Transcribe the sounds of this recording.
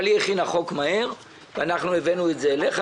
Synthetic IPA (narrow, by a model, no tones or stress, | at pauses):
lieχinaχo̞kmahe̞ʁ | veanaχnuevenuetzeːleχa